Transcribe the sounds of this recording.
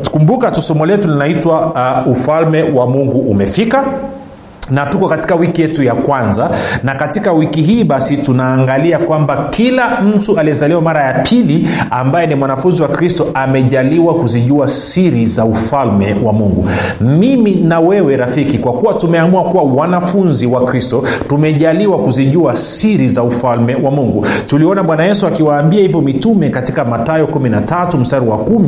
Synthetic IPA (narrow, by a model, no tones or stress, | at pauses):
kumbukatusɔmɔlɛtulinaitwaufalmɛwamuŋɡuʔumɛfika | natukɔkati̥kawikijɛtujakwanzanakatikawikiɦiːɓasitunaːŋɡaliakwambakilam̩tualiɛzaliwamaɾajapʰiliambajɛnimwanafunziwakɾistɔʔamɛʄaliwakuziʄuasiɾizaufalmɛwamuŋɡṵ | miminawɛwɛɾafikikwakuwatumɛamuakuwawanafunziwakɾistɔ | tumɛʄaliwakuziʄuasiɾizaufalmɛwamuŋɡutuliɔnaɓwanajɛsuakiwaːmbiahivjɔmitumɛkatikamatajɔkuminatatum̩saɾiwakumi